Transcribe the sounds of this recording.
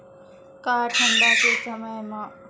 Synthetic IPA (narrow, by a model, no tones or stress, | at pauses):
kaːɾʈʰɐ̃ɳɖaːkeːsɐməjmãː